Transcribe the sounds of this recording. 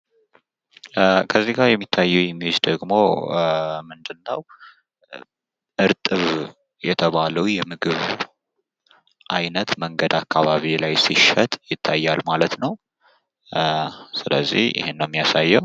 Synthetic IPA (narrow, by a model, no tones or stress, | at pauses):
kʰəzːiɡaɾjɛmːit̪ʰːajːɛwjɛmːiɨd͡ʒd̪əɡmo | mɨnd̪ɨnːəw | ʔɨɾt̪ʼɨβ | jɛt̪ʰəβaləwjɛmɨɡɨβ | ʔajnət̪məŋɡəd̪akʰːaβaβilajsiʃət̪ʼjɪt̪ʰːajːalmalət̪nəw | sɨlə̰zːḭhjɪ̰henːəwmːijasajːɛw